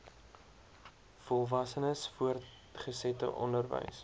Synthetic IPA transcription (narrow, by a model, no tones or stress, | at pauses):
fɔlˠvɐsənəsfuər | χəsɛtə̰ʔɔndərvə̰js